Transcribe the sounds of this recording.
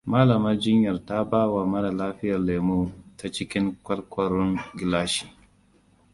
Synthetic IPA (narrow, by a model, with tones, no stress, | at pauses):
maː˦lɐ˨mɐ˦rd͡ʒɪ˦ɲjɐ˨rta˦baː˦waː˨mɐ˦na˨laː˦ɸɪ˦jɐ˨rleː˨muː˦ta˦t͡ʃɪ˦kʲɪ˦ŋkʷɐ˦lkʷɐ˨ɾʊ˦ŋɡʲɪ˨laː˦ʃi̥ː˨